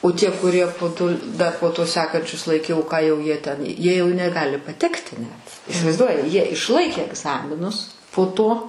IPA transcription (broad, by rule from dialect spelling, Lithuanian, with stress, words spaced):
oː ˈtʲiɛ kʊˈrʲiɛ poː ˈtoː dɐ poː ˈtoː ˈsʲæːkɐnʲt͡ʃʲʊs lˠɐɪˈkʲɛʊ ˈkɑː jɛʊ ˈjiɛ tʲɛn ˈjiɛ jɛʊ nʲɛˈɡɑːlʲɪ pɐˈtʲæːktʲɪ nʲɛt ɪsʲɪʋɐɪˈzduɔjɪ ˈjiɛ ɪʃˈlˠɐɪkʲeː ɛɡˈzɑːmʲɪnʊs poː ˈtoː